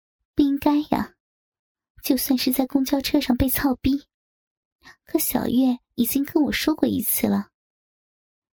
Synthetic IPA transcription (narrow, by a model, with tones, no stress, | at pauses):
pu˥˩i˥ŋka˥ɪja̰˨ | t͡ɕjo˥˧ʊswa˥˧nʂɻ̩˥˧t͡sa˥˩ɪkʊ˥ŋt͡ɕjɑ˥˧ʊʈ͡ʂʰɤ˥ʂɑ˥˧ŋpe˥˧ɪt͡sʰɑ˥˧ʊpi˥ | kʰɤ˥ɕjɑ̰˨˩ʊɥɛ˥˩ | i˨˩t͡ɕi˥ŋkə˥nwɔ˨˩ʂwɔ˥kwɔ˥˧ḭ˥˧t͡sʰɹ̩˥˩lə˩